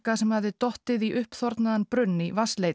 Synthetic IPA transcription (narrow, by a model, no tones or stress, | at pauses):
kasɛmhavðɪt̪ɔht̪ɪðiʔʏhpθɔɾt̪naðanpɾʏnːivaslej